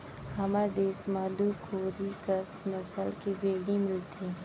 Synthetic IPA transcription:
hɐmaɾd̪eːsmad̪ukʰoːɾikɐsnɐsəlkeʋeːɽimɪlt̪eː

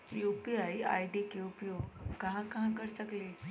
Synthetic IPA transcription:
juːpiaːia̰ːiɖikeupijokɐɦãkɐɦãkɐɾsɐɡleː

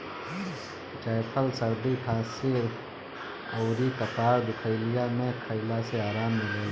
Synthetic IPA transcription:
t͡ʃaːpʰəlsəɾd̪iʈʰãːse | əʊɾikəpaːɾd̪ɪkʰəɪlijamẽkʰəɪlaseaːɾaːmːeleː

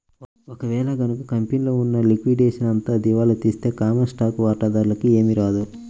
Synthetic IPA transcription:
ɔkɐʋɛːlɐɡɐnukɐkɐmpinloːunːɐlikʋiɖeːʂɐnɐnt̪aːd̪iʋaːlut̪iːst̪e̞ːkaːmɐnsʈaːkuʋaːʈaːd̪aːɾlɐkie̞ːmiɾaːd̪u

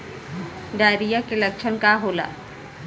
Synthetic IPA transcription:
ɖaːɾijakelɐk̚t͡ʃʰənkaɦoːla̰ː

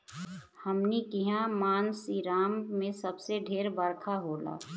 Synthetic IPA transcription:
həmnikiɦãmaːnsiɾaːmːẽsəbseɖʱeːɾbəɾkʰaɦoːla̰ː

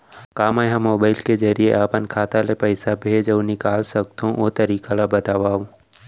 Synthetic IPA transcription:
kaːmajɦãmoːbaːɪlkezɐɾijeʔaːpənkʰaːt̪alepəɪsabʱed͡ʒɐʋnikaːlsɐk̚t̪ʰõʔoːt̪ɐɾiːkalabɐt̪aːʋaːũ

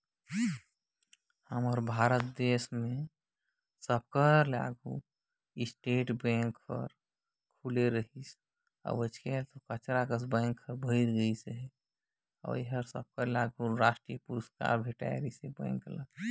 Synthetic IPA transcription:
həmɔɾbʱaːɾət̪̚d̪esmẽ | səb̚kəla̰ɡʱu | ɪsʈeːʈbẽŋkpə̰ɾ | kʰuleɾəɦis | ɔ̰bət͡ʃʰkelt̪okət͡ʃɾakəsbə̃ŋkʰːəbʱəiɪɾɡəiseɦɛ | ɔ̰jɦəɾsəb̚kəɾlaɡʱuɾaːsʈɾijəpuɾəska̰ɾbʱeʈa̰eɾisebə̰̃ŋklə̰ɡ

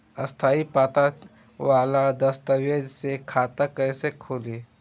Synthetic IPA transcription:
ɐst̪ʰaːipaːt̪a | ʋaːlad̪ɐst̪əwjəd͡ʒsekʰaːt̪akɐjsekʰoːleː

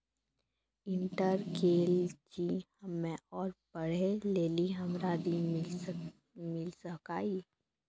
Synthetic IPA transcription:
ɪ̃ɳʈəɾkeːld͡ʒihɐmːẽɔːɾbəɽ̤eleːliɦɐmɾaːd̪imɪ | mɪlsəkaːiː

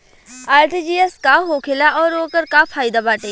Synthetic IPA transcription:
aːɾʈiːd͡ʒiːɛskaɦoːkʰelaʔɔːɾoːkəɾkapʰaːid̪abaːʈeː

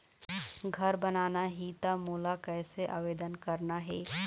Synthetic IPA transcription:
ɡʱɐɾbənaːnaɦiːt̪amuːlakɛːseʔa̰ːʋeːd̪ənkəɾnaɦɛː

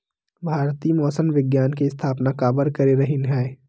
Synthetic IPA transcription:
bʱaːɾt̪iːmɔːsənʋɪɡjaːnkeɪst̪ʰaːpnakaːbəɾkɐɾeɾɐɦɪnɦɛː

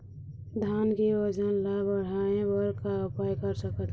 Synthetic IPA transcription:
d̪ʱaːnkiwəd͡ʒənlabəɽ̤aẽbəɾkaʊpajkəɾsəkət̪

